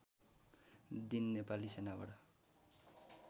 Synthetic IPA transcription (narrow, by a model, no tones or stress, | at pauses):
d̪inːepalisenaba̰ɽʌ